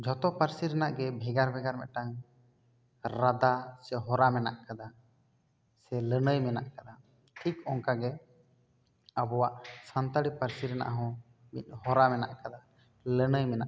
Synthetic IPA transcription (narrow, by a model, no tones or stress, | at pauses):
d͡ʒʱɔt̪ɔpaɾsiɾɛnaʔɡɛbʱɛɡaɾbʱɛɡaɾmɛ̰ʔ̪ʈaŋ | ɾad̪asɛɦɔɾamɛnaʔkad̪a | sɛlənəjmɛna̰ʔkad̪a | ʈʰikɔŋkaɡɛ | əbɔwaʔsant̪aɽipaɾsiɾɛna̰ʔaɦɔ̃ | mit̪̚ˀhɔɾamɛna̰ʔkad̪a | lənəjmɛnaʔ